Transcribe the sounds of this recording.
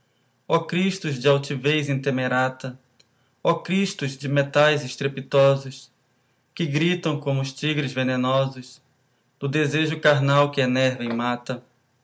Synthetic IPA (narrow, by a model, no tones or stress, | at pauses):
ɔkɾiʃt̪ʊzd͡ʒɪawt͡ʃivejzẽt̪emeɾat̪ɐ | ɔkɾiʃt̪ʊzd͡ʒɪmet̪ajzɪʃt̪ɾepit̪ɔzʊs | kɪɡɾit̪ɐ̃w̃kõmʊʃt͡ʃiɡɾɪzvenẽnɔzʊs | d̪̥ʊd̪ezeʒʊkaɾnawkɪenɛɾvẽj̃mat̪ɐ